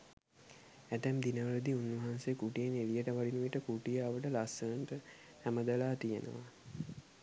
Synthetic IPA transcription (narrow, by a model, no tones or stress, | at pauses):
æt̪æmd̪inəʋələd̪iunːʋɐɦansekuʈijenelijəʈəʋaɖinuiʈəkuʈijaːʋəʈəlasəənʈə | hæməd̪əlaːt̪ijənə̰ʋa